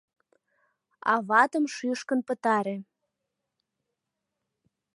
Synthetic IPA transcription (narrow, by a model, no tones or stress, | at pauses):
ɑ̰βɑt̪əmʃyʃkənpə̆t̪ɑɾe